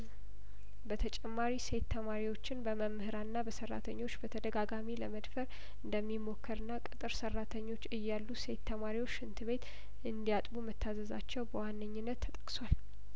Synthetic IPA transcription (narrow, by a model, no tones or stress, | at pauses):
bət̪ʰət͡ʃʼɛmːaɾise̞t̪ːʰəmaɾiwot͡ʃːɪnbəməmːhɨɾanːabəsərːa̰t̪ʰəɲːo̞t͡ʃːbət̪ʰəd̪əɡaɡamiləməd̪fəɾ | ɨnd̪əmːimo̞kːəɾɨnːakʼɨt̪ʼɨɾsərːat̪ʰəɲːo̞t͡ʃːɨjːalːuse̞t̪ːəmaɾiwo̞t͡ʃːɨnt̪ʰɨβe̞t̪ | ʔɨnd̪ijat̪ʼbumət̪ʰːazəza̰t͡ʃːɛwbəwanːəɲːɪnːət̪ʰːət̪ʼə̥kʼswal